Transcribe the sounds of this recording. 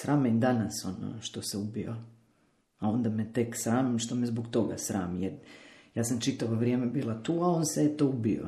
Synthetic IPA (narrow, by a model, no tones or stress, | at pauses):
sɾʔaːmed̪anaso̞no̰ʃt̪o̞seubio̰ | ao̞nd̪amet̪e̞ksɾaːmimʃt̪o̞mezbokt̪o̞ɡa̰sɾa̰ːmijeɾjaːsamt͡ʃit̪aʋo̞ʋɾijeːmebiːlat̪uːao̞nseet̪oːubio̰